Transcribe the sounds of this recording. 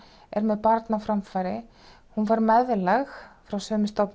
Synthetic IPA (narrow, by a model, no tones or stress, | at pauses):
ɛɾmɛðpaɾt̪nafɾamfajɾɪ | hunvaɾmɛðlɛxfɾawsœːmɪst̪ɔwpn